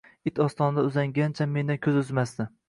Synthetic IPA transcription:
ɪt̪ʰɒst̪ɒnd̪aʊzaŋɡʲant͡ʃʰamːe̞nd̪ankʲʰɵzɵzmasd̪ɪ

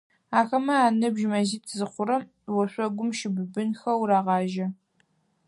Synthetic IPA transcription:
aːxɐmɐaːnɨbʒmɐziːtʰzɨχʷʊɾɐm | wɐɕʷʼɔɡʷʊmʃɪbɨbɨnxɐwɾaːʁɑːʒɐ

